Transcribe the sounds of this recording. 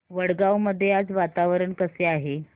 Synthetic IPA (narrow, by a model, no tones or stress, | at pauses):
ʋəɽɡawməd̪ʱːjead͡zʋat̪aʋəɾəɳkəseaɦe